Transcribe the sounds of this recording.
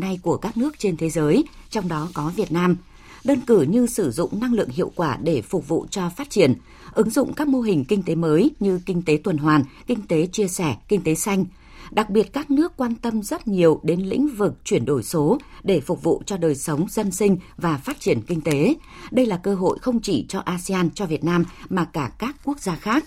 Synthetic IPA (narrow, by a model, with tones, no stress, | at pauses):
na˧jku˧˩əkaː˦˥k̚nɨ˦˥ək̚t͡ɕe˧nt̪ʰe˨˦zəː˨˦jt͡ɕɔ˧wŋ͡mɗɔ˨˦kɔ˨˦vi˨˩ət̚naː˧m | ɗəː˧nkɨ˧˩ɲɨ˧sɨ˧˩zʊ̰˧˨ŋ͡mna˧ŋlɨ̰˧˨əŋɦḭ˧˨əwkwaː˧˩ɗe˧˩fʊ˨˩k͡p̚vṵ˧˨t͡ɕɔ˧faː˦˥t̚t͡ɕi˧˩ən | ʔɨ˨˦ŋzʊ̰˧˨ŋ͡mkaː˦˥k̚mo˧ɦï˨˩ŋ̟kï˧ŋ̟t̪e˨˦məː˨˦jɲɨ˧kï˧ŋ̟t̪e˨˦t̪wə˨˩nɦwaː˨˩nkï˧ŋ̟t̪e˨˦t͡ɕi˧əsɛ˧˩kï˧ŋ̟t̪e˨˦sa˧jŋ̟ | ɗa˨˩k̚ɓi˨˩ət̚kaː˦˥k̚nɨ˦˥əkːwaː˧nt̪ə˧mzə˦˥t̚ɲi˨˩əwɗe˨˦nlḭ̈˧˥ŋ̟vɨ˨˩k̚t͡ɕwi˧˩ənɗo˧˩jso˨˦ɗe˧˩fʊ˨˩k͡p̚vṵ˧˨t͡ɕɔ˧ɗəː˨˩jsə˨˦wŋ͡mzə˧nsï˧ŋ̟vaː˨˩faː˦˥t̚t͡ɕi˧˩ənkï˧ŋ̟t̪e˨˦ | ɗə˧jlaː˨˩kəː˧ɦo̰˧˨jxə˧wŋ͡mt͡ɕi˧˩t͡ɕɔ˧ʔaː˧si˧aː˧nt͡ɕɔ˧vi˨˩ət̚naː˧mmaː˨˩kaː˧˩kaː˦˥kːu˦˥ək̚zaː˧xaː˦˥k̚